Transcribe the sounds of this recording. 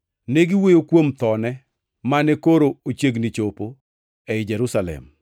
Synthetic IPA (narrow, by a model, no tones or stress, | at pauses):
neɡɪwejokwomt̪ɔnɛ | manɛkoɾoot͡ʃeɡnit͡ʃopo | ɛɪd͡ʒɛɾusalɛ̰m